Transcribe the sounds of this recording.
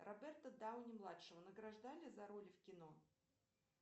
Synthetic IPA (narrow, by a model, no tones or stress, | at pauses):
rʔɐbʲɛrt̪əd̪aʊnʲɪmlˠatʂɨvənəɡɾɐʐd̪alʲɪzɐɾo̞lʲfkʲɪno̞